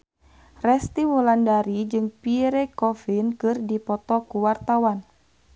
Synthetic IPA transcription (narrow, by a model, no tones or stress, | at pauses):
rɛst̪iwulandaɾid͡ʒɨŋpiɾɛkɔfinkɨrdipɔt̪ɔkuwart̪awan